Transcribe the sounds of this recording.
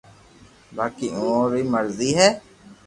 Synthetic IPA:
baːkiːõːɾiːməɾziːɦɛː

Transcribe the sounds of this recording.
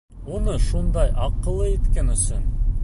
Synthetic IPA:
unɤʃund̪ɑjʔɑqːɤ̆lˠːɤit̪kænɵ̆sɵn

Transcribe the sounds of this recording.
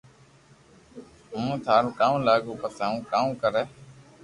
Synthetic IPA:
ɦũːt̪ʰaːɾũːkãːũːlaːɡuːpəsaːũːkaːũːkəɾeː

